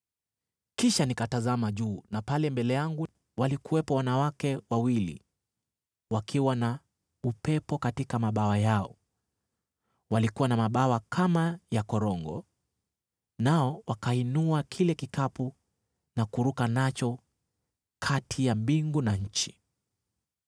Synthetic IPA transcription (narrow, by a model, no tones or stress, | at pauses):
kiʃanikatazamaʄuːnapalɛmbɛlɛjaŋɡu | walikuwɛpɔwanawakɛwawilḭ | wakʰiwana | upɛpɔkatikamaɓawajaɔ̰ | walikuwanamaɓawakʰamajakɔɾɔŋɡɔ̰ | naɔwakainuakʰilɛkikapu | nakuɾukanat͡ʃɔ | kʰatʰijambiŋɡunaɲ̩t͡ʃi̥